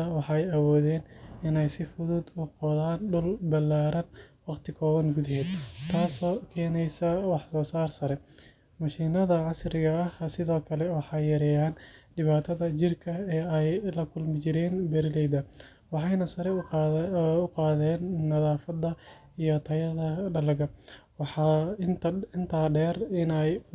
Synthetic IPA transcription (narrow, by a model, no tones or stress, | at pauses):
ɐwɑħɑjɐwɔːðɛːnɪnɛjsɪfʊðʊd̪ʊqɔðaːnɖʊlbɐlaːɾɐnwɑqt̪ʰɪkʰɔːβɐŋɡʊðɐhɛːd̪t̪ʰaːsɔːkʰɛːnɛjsɐwɑħsɔːsaːrsɐɾɛ | mɐʃinɐðɐʕɑsrɪɣɐɐɐsɪðɔːkʰɐlɛwɑħɑjːɐɾɛjaːnɖɪβaːt̪ʰɐðɐt͡ʃɪrkʰɐɛːɛjlɐkʰʊlmɪt͡ʃɪɾɛːnbɛɾɪlɛjd̪ɐ | wɑħɑjnɐsɐɾɛ | ʊqɑːðɛːnːɐðaːfɐd̪ɐ | ijɔt̪ʰɐjɐðɐɖɐlɐɣɐwɑħɑ | ɪnt̪ʰaːɖɛːrɪnɛj